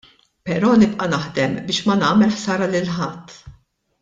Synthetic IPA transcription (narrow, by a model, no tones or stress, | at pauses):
pɛɾɔːnɪpʔɐnɐħd̪ɛmbɪːʃmɐnɐːmɛlħsɐːɾɐlɪlħɐt̪ʰː